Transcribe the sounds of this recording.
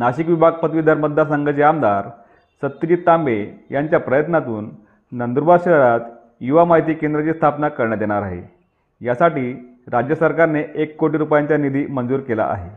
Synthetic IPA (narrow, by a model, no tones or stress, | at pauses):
naɕikʋibʱaɡ̚pət̪ʋid̪ʱaɾməd̪ʱːas̬əŋɡət͡ɕeamd̪aɾ | sət̪ːud͡ʑiːt̪ːambejaɲt͡ɕjapɾəjət̪nat̪uːnː | ənd̪uɾbaɕɾəɾat̪ | juʋamaɦit̪iːkend̪ɾət͡ɕiːst̪ʰapnakəɾɳjad̪eɽ̃aɾaɦḛ | jasaʈiː | ɾad͡ʑjəsəɾkaɾneʔekːoʈiːɾupjaɲt͡ɕjanid̪ʱiːmənd͡zuːɾkela̰ʔa̰ɦe